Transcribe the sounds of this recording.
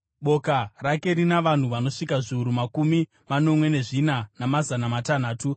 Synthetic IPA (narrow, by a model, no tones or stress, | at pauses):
ɓo̞karake̞ɾinaʋan̤uʋano̞ʂikaʐiuɾumakumi | mano̞mwe̞ne̞ʐinanamazanamatan̤aːtu